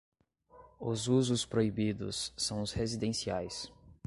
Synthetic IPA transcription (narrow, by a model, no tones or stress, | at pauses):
ʊzuzʊspɾoibid̪ʊ̰sːɐ̃w̃ʊshezid̪ẽsiajs